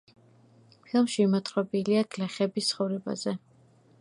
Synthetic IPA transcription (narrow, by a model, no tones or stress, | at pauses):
pʰilˠmʃiːmɔt̪ʰɾɔbiliaɡlɛχɛbist̪sʰχɔvɾɛba̰zɛ